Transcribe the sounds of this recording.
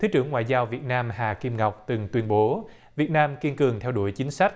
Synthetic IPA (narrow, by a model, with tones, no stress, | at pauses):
t̪ʰɨ˨˦t͡ɕɨ˧˩əŋːwa̰ː˧˨jzaː˧wvi˨˩ət̚naː˧mhaː˨˩ki˧mŋa˨˩wk͡p̚t̪ɨ˨˩ŋt̪wi˧ənɓo˨˦ | vi˨˩ət̚naː˧mki˧nkɨ˨˩əŋt̪ʰɛ˧wɗu˧˩əjt͡ɕï˨˦ŋ̟sa˦˥jk̟̚